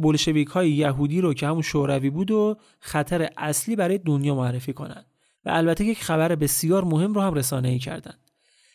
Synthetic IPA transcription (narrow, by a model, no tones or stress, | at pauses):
bolʃe̞viːkhɒːjejæɦuːd̪iːɾocʰehæmunʃoɾæviːbuːd̪o | xæt̪ʰæɾeʔæsliːbæɾɒːjed̪onjɒːmoærːe̞fiːkʰo̞̰næ̰nd̪̥ | væ̰ʔælbæt̪ʰejecxæbæɾebe̞sijɒːɾmohe̞mrohæmre̞sɒːneiːcʰæ̰ɾd̪æ̰nd̪̥